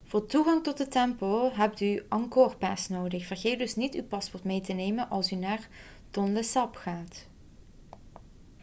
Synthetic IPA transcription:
v̥ʊːɹtuɣɑŋtɔt̚dətɛmpolɦɛp̚tyʔɑŋkoːrpaːsnoːwdəxv̥ərɣeːt̚dɵsnitywpɑspɔɹtmejtənejmənʔɑlˠsynaːr | tɔndəsɑpxaːt

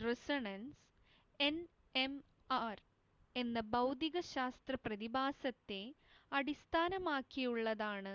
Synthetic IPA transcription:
resɐɳɐns | e̞n | em | aːr | e̞nːɐbɐwd̪iɣɐɕaːst̪rɐprɐðibaːsɐt̪ːe̞ | ɐɽist̪ʰaːnɐmaːkːijuɭːɐðaːɳɨ

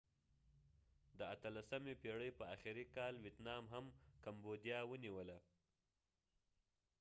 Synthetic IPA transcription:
d̪əat̪əlasamepeɽəjpəaxiɾikɑlwet̪nɑmɦamkambod̪jɑwəniwəla

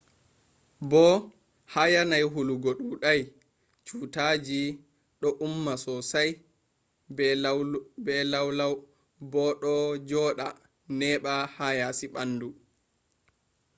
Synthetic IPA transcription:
bɔ | hajanajɦuluɡoɗuɗaj | t͡ʃuːtaːd͡ʒi | ɗɔʔumːasɔsaj | bɛlawlaw | bɔɗɔd͡ʒɔɗa̰ | nɛːɓahajasiɓanːdu

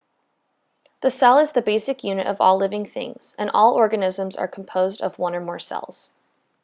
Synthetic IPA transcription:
ðɨsɛlˠɨzðɨbeɪsɨkjʉnɨɾʔʌ̰vɔlɪvɪ̃ŋθɪ̰̃ŋz̥ɨ̃nʔɔlˠɔɹɡɨnɪzə̃mzə̰˞kʰm̩pʰoʊzdʌ̰vwʌ̃nə˞mɔɹsɛ̰lˠz̥

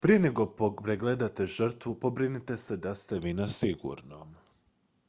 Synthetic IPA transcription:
pɾije̞ne̞ɡo̞popɾeɡled̪at̪e̞ʒr̩t̪ʋupo̞bɾinit̪e̞se̞d̪ast̪e̞ʋinasiɡṵɾnom

